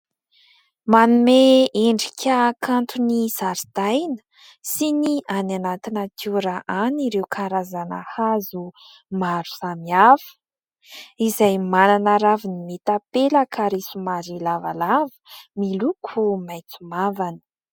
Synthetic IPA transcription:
manumeeɳɖ͡ʐikʲʰakʰant̪ʰuniz̥aɾid̪̥ajnə̥ | siniananat̪inakʰuɾaʔaniɾewkʰaɾazanə̰hazu | maɾuzamiav̥ə̥ | izajmananaɾavinimet̪apeləkʰaɾesumaɾilava̰lavə̥milukʰumajt͡sumavani̥

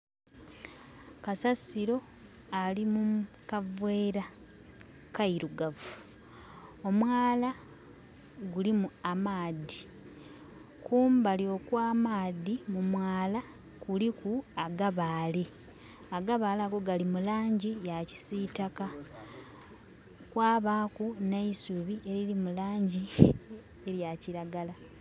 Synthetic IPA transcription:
kasasiɾo̞ | alimu | kavwe̞ːɾa | kaiɾuɡavu | o̞mwaːla | ɡulimuamaːdi | kʰuːmbalio̞kwaːmaːdimumwaːla | kulikuaɡaβaːle | aɡaβaːlaːɡo̞ɡalimulaːɲɟijaci̥sitaka | kwaːβaːkuneisuβie̞ɾiɾimulaːɲɟi | eɾjaciɾaɡala

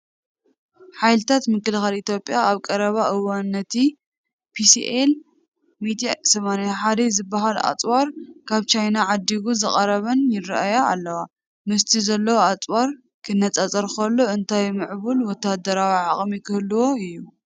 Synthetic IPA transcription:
ħajlɨt̪ʰat̪mɨkːɨlxalit̪ʰjo̞pʼjaaβkʼɐɾɐβaʔɨwanːɐt̪ʰi | pʰisiʔel | mid̪ijasɐmanjaħad̪izɨbːaɦala̰t͡sʼwaɾkʰaβt͡ʃʰajnaʕad̪ːiɡuzɨχʼɐɾɐβɐnjɪrɐ̰ʔajaa̰lːɐwa | mɨst̪ʰizɐlːɐwoat͡sʼwaɾ | kʰɨnːɐt͡sʼɐt͡sʼɐɾxɐlːo̞ɨnt̪ʰajmɨʕβulwɔt̪ʰːad̪ɐɾawiʕaχʼmikʰɨhluwo̞ɨjːu

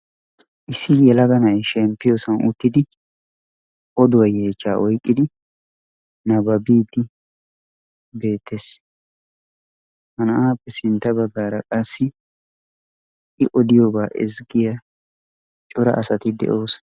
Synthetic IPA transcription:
ʔɪsːɪjɛlɐɡɐnɐjʃɛmpːɪjosɐnʊt̪ːɪd̪ɪ | ʔɔd̪ʊwɐje̞ːt͡ʃːaːʔɔjkʼːɪd̪ɪ | nɐbɐbiːd̪ɪ | be̞ːt̪ʰːes | hɐnɐʔaːpːɛsɪnt̪ːɐbɐɡːaːɾɐkʼɐsːɪ | ʔɪʔɔd̪ɪjoːbaːʔɛzɡɪjɐ | t͡ʃʼʊɾɐ̰ʔɐsɐt̪ɪd̪ɛ̰ʔo̞ːs

